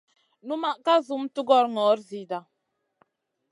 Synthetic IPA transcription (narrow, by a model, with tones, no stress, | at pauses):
nu˦ma˦˨ʔka˦zu˦m̩˦tu˦ɡɔ˦ɾŋɔ˨˦ɾzi˨da˨